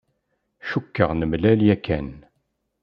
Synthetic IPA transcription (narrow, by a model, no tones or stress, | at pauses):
ʃukːəʁnəmlæljækːæ̰n